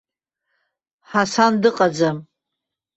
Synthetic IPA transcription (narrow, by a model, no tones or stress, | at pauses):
ħasandɨqʼad͡zam